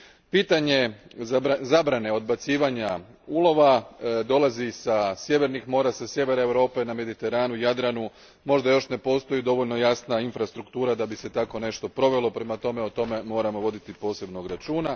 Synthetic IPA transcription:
piːt̪aɲe̞ | zabɾane̞o̞d̪̚bat̪siːʋaɲa | ulo̞ʋad̪o̞lˠazisasje̞ʋe̞ɾnixmo̞ːɾasasje̞ʋe̞ɾaewɾo̞ːpe̞name̞d̪it̪e̞ɾaːnujad̪ɾanu | mo̞ʒd̪ajo̞ʃne̞po̞ːst̪o̞jid̪o̞ʋo̞ʎnojasnainfɾast̪ɾukt̪uːɾad̪abise̞t̪ako̞ne̞ʃt̪o̞pɾo̞ʋe̞lˠo̞pɾe̞mat̪o̞me̞ot̪o̞me̞mo̞ːɾamo̞ʋo̞d̪it̪ipo̞ːse̞bnoɡɾat͡ʃuːna

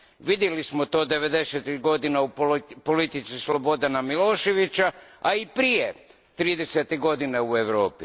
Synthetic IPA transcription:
ʋid̪jelismot̪o̞ːd̪e̞ʋe̞d̪e̞set̪ɾiɡo̞d̪inaupolit̪it̪sislo̞bo̞d̪anamilo̞ːʃe̞ʋit͡ɕaaipɾije | t̪ɾiːd̪e̞set̪iɡo̞d̪ineue̞ʋɾo̞ːpi

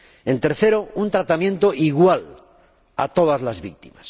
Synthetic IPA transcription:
e̞nt̪e̞ɾθe̞ɾo̞unt̪ɾat̪amjẽ̞nt̪o̞ʔiɣwal | a̰t̪o̞ð̞azlazβik̚t̪imas

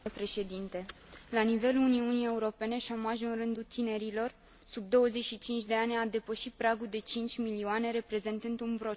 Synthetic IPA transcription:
pɾe̞ʃe̞d̪int̪e̞ | lanive̞luuniunije̞uɾo̞pe̞ne̞ʃo̞maʒuɨnrɨnd̪ut̪ine̞ɾilo̞r | sub̚d̪o̞wəze̞t͡ʃʃit͡ʃint͡ʃʲd̪e̞anʲad̪e̞pəʃit̪̚pɾaɡuld̪e̞t͡ʃint͡ʃʲmilioane̞ɾe̞pɾe̞ze̞nt̪ɨnd̪unpɾo̞

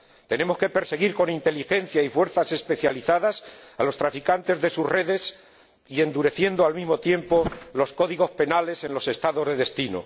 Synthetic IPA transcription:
t̪e̞ne̞mo̞ske̞pe̞ɾse̞ɣ̞iɾko̞nint̪e̞lixẽ̞n̟θjaifwe̞ɾθase̞spe̞θjaliθaðasalo̞st̪ɾafikant̪e̞zðe̞susre̞ðe̞s | ie̞nd̪uɾe̞θje̞nd̪oalmizmo̞t̪je̞mpo̞lo̞sko̞ðiɣo̞spe̞nale̞se̞nlo̞se̞st̪aðo̞zðe̞ðe̞st̪ino̰

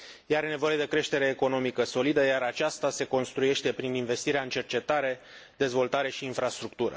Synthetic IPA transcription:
jeaɾene̞vo̞je̞d̪e̞kɾe̞ʃt̪e̞ɾe̞ːko̞no̞mikəso̞lid̪əjaɾat͡ʃast̪ase̞ko̞nst̪ɾuje̞ʃt̪e̞pɾininve̞st̪iɾeaɨnt͡ʃe̞rt͡ʃe̞t̪aɾe̞d̪e̞zvo̞lt̪aɾe̞ʃiːnfɾast̪ɾukt̪uɾə̰

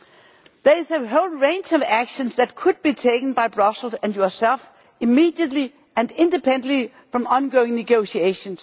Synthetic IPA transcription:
ðəɪzəɦoʊlˠɹẽɪ̃nd͡ʒʌvækʃə̃nsðæt̚kʰʊd̚b̥itʰeɪkən̩baɪbɹʌsl̩ˠsæ̃njɔsɛlˠf | ɪmiːdiətˡli | æ̃ndɪ̃ndɨpʰɛ̃ndnli | fɹʌ̃mɑ̃nɡoʊɪ̃ŋnɨɡoʊsieɪʃə̃ns

